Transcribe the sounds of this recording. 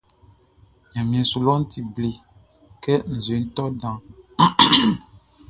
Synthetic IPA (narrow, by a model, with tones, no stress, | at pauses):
ɲã˨mĩ˨ɛ̃˨su˨lɔ˦n̩˦ti˨ble˨ | kɛ˦n̩˨ze˨˦n̩˦t̪ɔ˦dã˨